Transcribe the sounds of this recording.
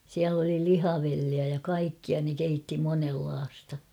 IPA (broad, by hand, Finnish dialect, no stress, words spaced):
siæl oli lihɑʋelːiæ jɑ kɑikːiɑ ne keitːi monelːɑːstɑ